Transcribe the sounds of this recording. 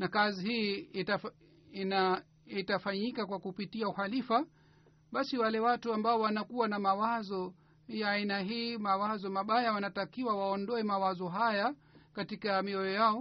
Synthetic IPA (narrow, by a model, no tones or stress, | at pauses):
nakazihiːta | ina | itafaɲikakwakupitiauhalifa | ɓasiwalɛwatuambaɔwanakuwanamawazɔ | jaːinaɦiːmawazɔmaɓajawanatakiwawaɔndɔɛmawazɔɦaja | katikamiɔjɔjaɔ